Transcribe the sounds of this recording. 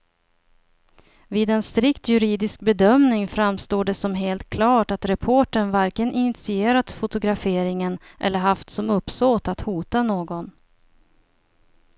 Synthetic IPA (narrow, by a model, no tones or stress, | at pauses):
viːd̪ɛnst̪ɾɪkt̪ʰjɵɾiːd̪ɪsk̚bɛd̪œmnɪŋfɾamst̪oːɖɛsɔmɦeːlt̪̚kʰlɑːʈat̪ɾɛpʰoːʈəɳvaɾkənʔɪnɪt̪sɪeːɾat̪fʊt̪ʊɡɾafeːɾɪŋən | ʔɛ̰lːəɾɦaft̪sɔmɵpsoːt̪at̪huːt̪anoːɡɔn